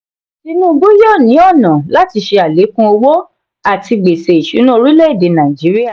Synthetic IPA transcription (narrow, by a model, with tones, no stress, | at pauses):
ti˧nũ˦˧ɡ͡bu˦jɔ˦˨nĩ˨˦ɔ˦˨nã˨la˦ti˧ʃe˧a˨le˨˦kũ˦o˧wo˦ | a˦˨ti˧ɡ͡be˨se˨i˨ʃu˨˦nũ˦o˧ɾi˦lɛ˦i˦˨de˨˦nã˨i˨d͡ʒi˨˦ɾi˦a˦˨